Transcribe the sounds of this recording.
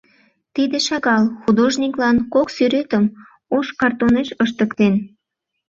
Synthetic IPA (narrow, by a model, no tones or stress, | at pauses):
t̪id̪eʃɑɣɑlxud̪oʒniklɑnkoksyɾet̪əm | oʃkɑrt̪oneʃəʃ̬t̪əkt̪en